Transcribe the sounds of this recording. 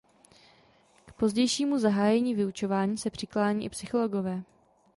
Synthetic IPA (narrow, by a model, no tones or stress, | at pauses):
kpo̞zɟɛjʃiːmuzaɦaːjɛɲiːvɪut͡ʃo̞vaːɲiːsɛpr̝̥ɪklaːɲiːʔɪpsɪxo̞lo̞ɡo̞vɛː